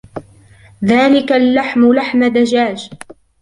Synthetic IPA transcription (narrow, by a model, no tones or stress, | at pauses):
ðaːlɪkalːaħmʊlaħmad̪ad͡ʒaːd͡ʒ